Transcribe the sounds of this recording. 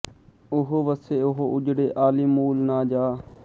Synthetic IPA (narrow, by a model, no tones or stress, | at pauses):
ʊɦoʋəseːʊɦoʔʊd͡ʒɽeːʔaːliːmuːlnaːd͡ʒaː